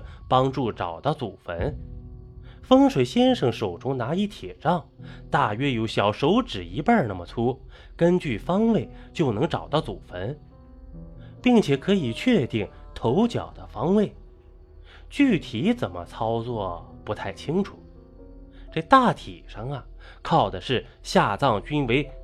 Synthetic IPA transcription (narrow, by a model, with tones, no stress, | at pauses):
pɑ˥ŋʈ͡ʂu˥˩ʈ͡ʂɑ˨˩ʊt̪ə˥˩t͡su˨˩fə̰˧˥n | fɤ˥ŋʂwe˨˩ɪɕjɛ˥nʂɤ˧˩ŋʂo˨˩ʊʈ͡ʂʊ˥ŋna˧˥i˧˥t̪ʰjɛ˨˩ʈ͡ʂɑ˥˧ŋt̪a˥˩ɥɛ˥jo˧˥ʊɕjɑ˨˩ʊʂo˧˥ʊʈ͡ʂɻ̩˨˩i˧˥pə˞˥˧na˥˩mə˩t͡sʰu˥ | kə˥nt͡ɕy˥˩fɑ˥ŋwe˥˩ɪt͡ɕjo˥˩ʊnɤ˧˥ŋʈ͡ʂɑ˨˩ʊt̪ɑ˥˩ʊt͡su˨˩fə˧˥n | pi˥˩ŋt͡ɕʰjɛ˨˩kʰɤ˧˥i˨˩t͡ɕʰɥɛ˥˧t̪i˥˩ŋt̪ʰo˧˥ʊt͡ɕjɑ̰˨˩ʊd̪ə˦fɑ˥ŋwe˥˩ɪ | t͡ɕy˥˩t̪ʰi˧˥t͡sə˨˩nmə̰˦t͡sʰɑ˥ʊt͡swɔ˥˩pu˧˥t̪ʰa˥˩ɪt͡ɕʰi˥ŋʈ͡ʂʰu̥˨˩˦ | ʈ͡ʂɤ˥˧t̪a˥˩t̪ʰḭ˨˩ʂɑ˥˩ŋɐ˨˩ | kʰɑ˥˩ʊd̪ə˩ʂɻ̩˥˧ | ɕja˥˧t͡sɑ˥˩ŋt͡ɕy˥nwe˧˥ɪ